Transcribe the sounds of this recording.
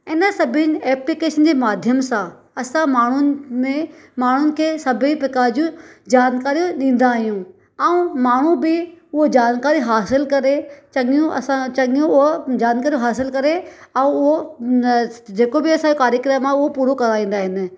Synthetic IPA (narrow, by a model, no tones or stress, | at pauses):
ɪnə̆sɐbʱɪnɪ̆eːplɪkeːʃənd͡ʑeːmaːd̪ʱjəmsã | ɐsãmaːɳ̤ʊmẽmaːɳ̤ʊnɪ̆kʰeːsɐbʱipɪkaːd͡ʑũd͡ʑaːnkaːɾijõɗĩːn̆d̪aːɦijũ | ɛũmaːɳ̤ũbɪʊɦod͡ʑaːnkaːɾiɦaːsɪlkɐɾet͡ɕɐɠijũɐ̰sãt͡ɕɐɠɪjũʊɦod͡ʑaːnkaːɾijõɦaːsɪlkɐɾe | ɛũʊɦo | d͡ʑeːkobɪɐsãjokaːɾjəkɾəmãʊɦopuːɾokɐɾaːĩːn̆d̪aːɦɪnɪ̆